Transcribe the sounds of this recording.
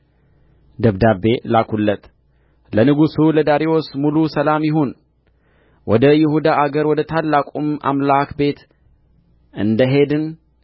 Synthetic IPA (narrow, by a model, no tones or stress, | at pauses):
d̪əβd̪abe̞lakulːət̪ | lənɨɡusuləd̪aɾiwosmulusəlamjɪɦon | wʔɔd̪əjɪhud̪aʔaɡəɾwɔd̪ət̪ʰalːakʼumʔa̰mlakbe̞t̪ | ɨnd̪əɦe̞d̪ɨn